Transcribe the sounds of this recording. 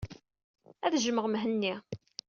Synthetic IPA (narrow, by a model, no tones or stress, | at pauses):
æðʒməʁmɦənːi